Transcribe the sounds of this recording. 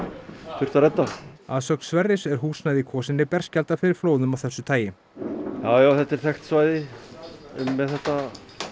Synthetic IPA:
θʏr̥t̪aɾɛt̪ːaaðsœkn̥svɛrːɪsɛɾ̥ɦuːsnajðikʰɔːsɪnːɪpɛr̥scalt̪afɪɾɪɾ̥floːwðʏmawθɛsːʏt̪ʰaːjɪ | jaːwjaːwθɛt̪ːɛɾ̥θɛxt̪svaːjðɪ | ʏmːɛðθɛht̪a

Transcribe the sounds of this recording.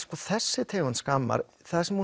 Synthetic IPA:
skɔθɛsːɪt̪ʰeːjɣanskaːmːa̰ɾ | θaðsɛmhu

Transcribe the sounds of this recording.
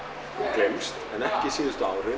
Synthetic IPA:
ɡ̥lɪmst̪ənɛhkɪsiːðəst̪uawɾɪ

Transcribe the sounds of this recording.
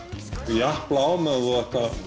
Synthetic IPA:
jahplaaːwmɛððuðɛht̪a

